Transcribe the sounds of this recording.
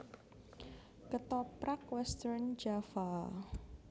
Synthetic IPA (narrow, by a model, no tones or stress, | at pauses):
kət̪ɔpɾakwɛst̪əɾnd͡ʒafa